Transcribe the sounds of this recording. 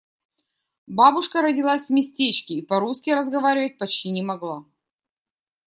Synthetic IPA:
babʊʂkəɾədʲɪlˠasʲvmʲɪsʲtʲet͡ɕkʲɪːpɐɾuskʲɪɾəzɡɐvaɾʲɪvət̚ʲpɐt͡ɕtʲinʲɪmɐɡlˠa

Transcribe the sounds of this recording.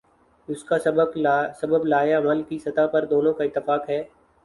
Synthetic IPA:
ʊskasɐbəbsɐbəblaːjaɐməlkisɐt̪apɐɾd̪oːnõkaɪt̪ːɪfaːkɦɛː

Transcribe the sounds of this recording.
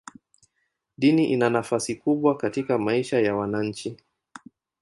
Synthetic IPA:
ɗiniʔinanafasikuɓwakatikamaiʃajawanaɲ̩t͡ʃi

